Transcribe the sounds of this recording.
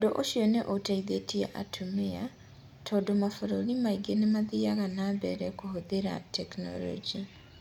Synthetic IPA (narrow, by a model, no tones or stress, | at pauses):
doʔoʃjɔneʔotaiðetia̰ʔa̰tʰomea | tʰɔːdomafoɾoɾimaiɡenemaðiaɣanabɛɾɛkohoðeɾa̰tʰɛknɔ̰lɔ̰d͡ʒi